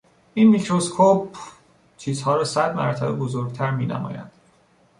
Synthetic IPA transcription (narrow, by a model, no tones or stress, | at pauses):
ʔinmicʰɾoskʰop̚ | t͡ʃʰiːzhɒːɾɒːsæd̪mæ̰ɾt̪ʰæbebozoɾɡ̚t̪ʰæɾmiːnæ̰mɒ̰ːjæ̰nd̪̥